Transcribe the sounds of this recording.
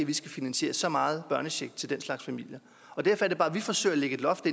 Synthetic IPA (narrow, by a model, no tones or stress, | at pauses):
ʋisɡ̥æfinænɕe̝̰ːɐsɒ̽mɑ̈ːð̞̩ˠb̥ɶɐnəɕeɡ̥̚t͡sʰe̝ld̥enslɑ̈ɡ̥sfæmil̰jə | ɒ̽d̥æɐfɒæɐɾ̥ebɑ̈ːʋifɒ̽sø̰ːæleɡ̥əe̝d̥lɒ̽fd̥e